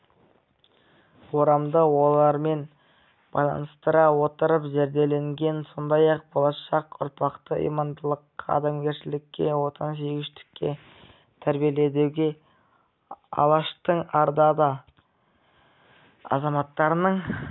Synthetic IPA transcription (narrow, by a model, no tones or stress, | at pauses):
wo̞ɾɑmd̪əwo̞lˠɑɾme̞n | b̥ɑ̰jlˠɑ̰nəst̪əɾɑwo̞t̪əɾəpʒeɾd̪e̞le̞ŋɡʲe̞nso̞nd̪ɑjɑq̚bo̞lˠɑʃɑqʊ̰ɾpɑqt̪əʔḭjmɑnd̪əlˠəqʰːɑ̰d̪emɡʲe̞ɾʃɪlɪkʲːe̞wo̞t̪ʰɑns̬eɡʲɪʃt̪ɪ̥kʲːe̞̰ | t̪ʰæɾbijele̞d̪ewɡʲe̞ | ɑ̰lˠɑʃt̪əɴɑɾd̪ɑd̪ɑ | ɑ̰zɑmɑt̪ːɑɾənəɴ